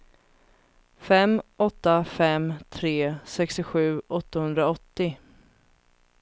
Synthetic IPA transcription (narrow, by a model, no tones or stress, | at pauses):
fɛmɔt̪ːafɛmt̪ʰɾeːsɛkst̪ɪɧʉ̟ːʔɔt̪ːahɵnd̪ɾaɔt̪ːɪ